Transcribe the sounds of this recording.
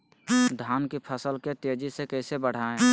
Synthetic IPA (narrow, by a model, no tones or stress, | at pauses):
d̪ʱaːnkipʰəsəlket̪ed͡ʒisekəɪsebəɽ̤aːẽ